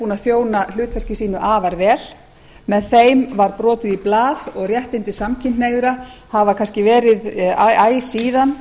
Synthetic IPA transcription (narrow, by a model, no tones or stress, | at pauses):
uːnaðθjoːwnal̥ʏːt̪vɛr̥cɪsiːnʏʔaːvaɾvɛːl̥ | mɛðθejmvaɾpɾɔːt̪ɪðiplaːðɔɣrjɛht̪ɪnt̪ɪsamcʰɪnt̪neːjɣðʏɾahavakʰanscɪvɛːɾɪðʔaːjsiːðan